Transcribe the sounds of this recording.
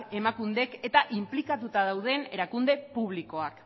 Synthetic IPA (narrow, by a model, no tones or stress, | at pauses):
e̞makund̪e̞ke̞t̪aʔimplikat̪ut̪að̞awð̞e̞ne̞ɾakund̪e̞puβ̞liko̞ak